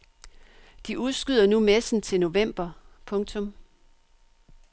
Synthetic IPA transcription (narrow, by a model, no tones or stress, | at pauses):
d̥iʔuðˠsɡ̥yð̰ˠɐnumesn̩t͡sʰe̝lno̝ʋem̰b̥ɐpʰɔ̽ŋt͡sʰɔ̽m